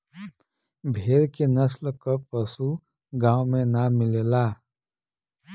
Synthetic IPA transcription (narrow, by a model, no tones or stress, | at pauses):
bʱeːɾkenəslkəpəsu | ɡãːwmẽnamɪlelaː